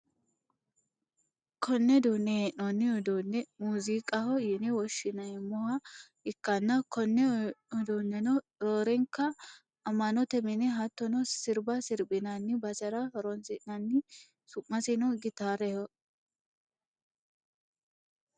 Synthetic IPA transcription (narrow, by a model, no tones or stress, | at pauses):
kʰɔnːɛd̪uːnːɛɛʔɔnːɪɔd̪unːɛmuːzikʼɐhɔjɛnɛwɔʃːɪnɐɛmːɔhɐ | ɪkːɐnːɐkɔnːɛɔd̪uːnːɛnɔ | ɾoːɾɛŋkːɐː | mːɐnɔt̪ɛmɪnɛɦɐt̪ːɔnɔsɪɾbɐsɪɾbɪnɐnːɪbɐsɐɾɐhɔɾɔnsɪʔnɐnːɪ | sʊʔːɐsɪnɔɡɪt̪aːɾɛhɔ